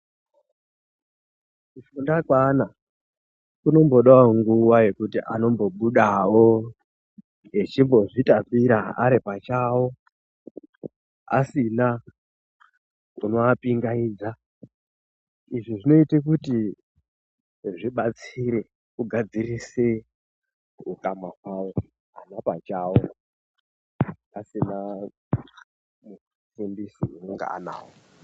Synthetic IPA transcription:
ufundakwana | kuno̞mbo̞ɗaoŋɡuwaje̞kutiʔano̞mbo̞ɓuɗawo̞ | jet͡ʃimbo̞ʐitapiɾaaɾipat͡ʃaːwo̞ | a̰sina | kuno̞apiŋɡaiːd͡za | iʐiʐino̞itek̬uti | ʐiɓat͡siɾe | kuɡʱad͡zirise | ukamakwawo̞ | anapat͡ʃawo | asina | mu | fimbisiunoŋɡa̰ʔa̰na̰ːwo

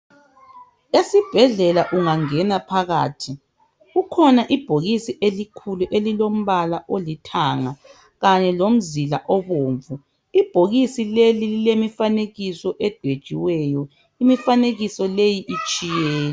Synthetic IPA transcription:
esib̥ʱɛɮɛlaʔuŋaŋɛnapʰaɣaːtʰi | ɣukʰɔnaʔib̥ʱoɣisiʔelikʰuluʔelilom̩βalaʔolitʰaŋa | ɣaɲɛlom̩zilaʔɔβoːɱvu | ib̥ʱoɣisilelililemifaneɣisɔʔɛd̥ʱed̥ʒ̥ʱiwɛːjɔ | imifaneɣisɔlejiʔit͡ʃʼijɛːlɛ

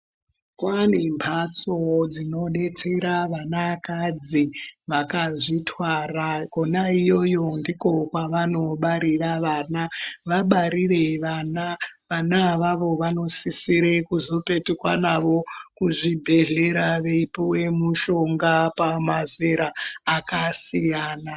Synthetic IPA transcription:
kwanempʰat͡sod͡zino̞ɗe̞t͡seɾaʋanakad͡ziʋakaʐitwarakonaijo̞jo̞ndiko̞kwaʋano̞ɓaɾiraʋanaʋaɓaɾire̞ʋana | ʋanaʋaʋo̞ʋano̞sisiɾekuzo̞pe̞tikwanaʋo̞kuʐibʱe̞ɮe̞ɾaʋe̞ipowe̞muʃo̞ŋɡapamazeɾaːkasijaːna

